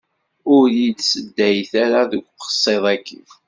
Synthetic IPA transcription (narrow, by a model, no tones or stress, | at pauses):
ʊɾjid̪səd̪ːæjθæɾaðəɡʷqə̥sˤːeðˤækːi